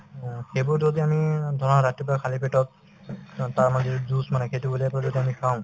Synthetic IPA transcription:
xejbʊɹzodiamidʱɔɹɔnaɹatipakʰalipʰetɔt̚ | taɹmadʱizusmanɛkʰetuboliapɔzodiamikʰaʊ̃

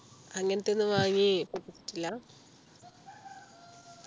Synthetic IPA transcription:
ɐŋːɐnɐt̪ːenːɨʋaːɲipupːit͡ɕːi̥tːilːɐ

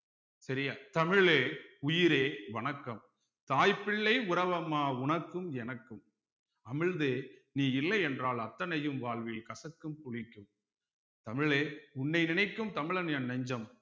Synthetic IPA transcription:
sɐɾɪjaːt̪ɐmɪɭeːʊjɪɾeːʋɐɳɐkːɐm | t̪aːjpːɪɭːɐɪʊɾɐʋɐmaːʊɳɐkːɯmɛnɐkːɯm | ɐmɪɻðeːniːɪlːɐɪɛndraːlɐt̪ːɐnɐjɯmʋaːɭʋɪjlkɐsɐkːɯmpʊɻɪkːɯm | t̪ɐmɪɭeːʊnːɐɪnɪnɐɪkːɯmt̪ɐmɪɭɐnjɐnnɐɲd͡ʒɐm

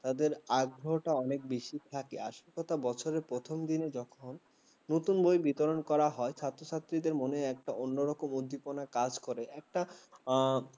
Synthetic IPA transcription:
t̪ad̪eɾaɡ̚bɾɔɦʈaɔnek̚beʃit̪ʰakeaʃokɔt̪ʰabɔt͡ɕʰoɾeɾpɾot̪ʰomd̪ined͡ʑɔkʰonː | ot̪unbojbit̪oɾonkɔɾaɦɔeʃʰat̪ːɾoʃat̪ːɾid̪eɾmoneɛk̚ʈaʔonːoɾɔkomod̪ʱːiponakad͡ʑkoɾeɛk̚ʈa

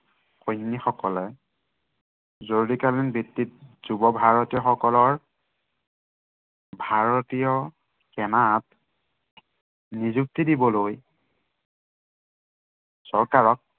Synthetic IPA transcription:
xojnːixɔkɔlɛ | zoɹudikalinbitːit̚z̥ubɔbʱaɹɔtijɔxɔkɔlɔɹ | bʱaɹɔtijɔ | kɛnat | nizuk̚tidibɔloj | sɔɹkaɹɔk̚

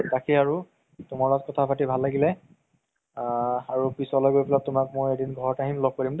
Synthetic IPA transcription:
takʰiaɹu | tʊmaɹlɔt̚kɔtʰapʰatibʱalːaɡilɛ | aɹupɹisɔlɔjɡojpɛlatʊmakmojedinɡʱɔɹɔtaɦimlɔɡ̚poɹimd

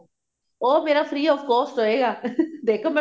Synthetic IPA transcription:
omeɾɐfɾiokost̪oeɣad̪ekome

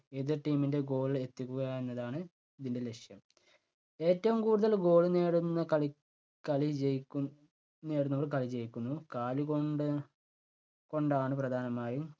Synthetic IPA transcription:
eðɨʈiːminde̞ɡo̞ːɭile̞t̪ːikʲːuɣɐenːɐðaːɳɨ | iðinde̞le̞kʂjɐm | e̞ːtːɐʋumkuːɽuðɐlɡo̞ːɭɨneːɽunːɐkɐɭi | kɐɭit͡ɕejkː | neːɽunːɐʋɐrkɐlit͡ɕe̞jikʲːunːukaːlukoɖ | ko̞ɳɖaːɳɨprɐd̪ʱaːnɐmaːjum

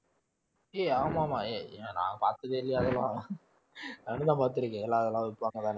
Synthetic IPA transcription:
eːaːmaːmaːeːnã̰ːpaːɾt̪ɐðeɪlːɪjaːðɛlãː | nɐnːɯd̪ãːpaːɾt̪ːɪɾɯkːẽɛlːãːɐðɛlãːʋɪpːaːŋɡɐt̪aːn

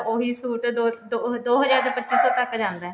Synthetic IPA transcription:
oːɦiːsuːʈ̪d̪oːd̪od̪oːɦəd͡ʒaːɾd̪pət͡ʃːt͡ʃisɔːt̪əkːd͡ʒãːnd̪aːɛː

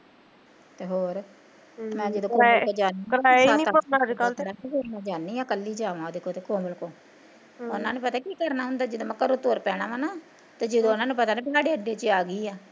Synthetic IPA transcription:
t̪eːɦoːɾ | mɛ̃ːd͡ʒəd̪õːkːoːd͡ʒaːnikəlaːeaːniːt̪onad̪kəlt̪ːaːekonãːd͡ʒaːnːĩːaːkəlːiːd͡ʒaːʋãːd̪ekoːt̪eːkõːbəlkõː | ʊnãːnũːpət̪aːkiːkəɾnaːɦʊ̃nd̪aːd͡ʒəd̪õːməkːəɾot̪oːɾpɛːɽ̃aːʋanaː | t̪aːd͡ʒəd̪õːʊnãːnũːpət̪aːnẽːbɦaːɽeːəɖeːt͡ʃiaːɡiːaː

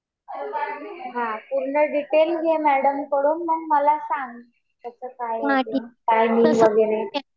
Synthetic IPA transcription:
ɦãpuɾɳəɖiʈelɡʱemæɽəmkəɽuːnməɳməlasaŋɡ | t̪əsəːkajkajmiʋəɡeɾe

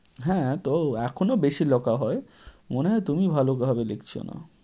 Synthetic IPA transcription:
ɦɛ̃t̪oɛkʰonobeʃilɔkaɦɔe | moneɦɔet̪umibʱalokebʱabelekt͡ɕʰo̰na̰

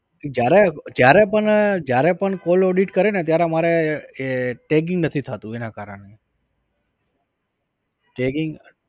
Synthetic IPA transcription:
d͡ʒjaɾed͡ʒjaɾepəɳd͡ʒjaɾepəɳkoloɖiʈkəɾenet̪̬jaɾemaɾeeʈek̬ɪ̃ŋɡnət̪ʰit̪ʰat̪ũenakaɾəɳ̃e | ʈekɪŋɡ

